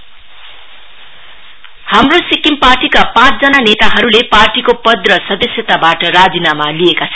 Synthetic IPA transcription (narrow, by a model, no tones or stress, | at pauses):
hamrosikimparʈikapãt͡sʰd͡zʌnanet̪aɦʌɾuleparʈikopʌd̪rʌsʌd̪ʌsjʌt̪abaʈʌɾad͡zinamaliekat͡sʰʌn